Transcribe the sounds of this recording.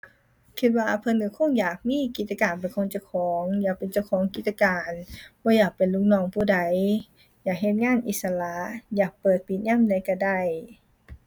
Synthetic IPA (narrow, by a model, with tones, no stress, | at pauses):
kʰi˧t̪̚waː˧pʰɤ˧nːɯː˧˩˦kʰo˧˥˨ŋjaː˨˩k̚miː˧˥˨ki˧t̪̚t͡ɕa˧kaː˨˩npa˨˩jkʰo˧˥ŋt͡ɕa˧˩wkʰɔː˨˦ŋjaː˨˩k̚pe˨nt͡ɕa˧˩wkʰɔː˨˦ŋki˧˦t̪̚t͡ɕːa˧kaː˨˩nbɔː˧˦jaː˨˩k̚pe˨˩nlu˧˦k̚nɔː˧˩˨ŋpʰuː˧˩da˨˧˦j | jaː˨˩k̚ɦe˧t̪̚ŋaː˧˥˨nʔi˨˧˩t̪̚sa˧la˧˥jaː˨˩k̚pɤː˨˩t̪̚pi˨˧˩t̪̚ɲaː˧˥˨mda˧˩jkaː˧˩da˧˩j